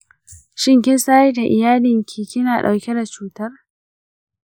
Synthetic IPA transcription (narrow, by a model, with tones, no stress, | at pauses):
ʃɪ˦ŋkʲɪ˦nsaː˦ji˦da˨ʔɪ̰˨jaː˦lɪ˨ŋkʲʰiː˨kʲɪ˦naː˨ɗa̰˨wkʲɛ˦da˨t͡ʃuː˦tɐ˦r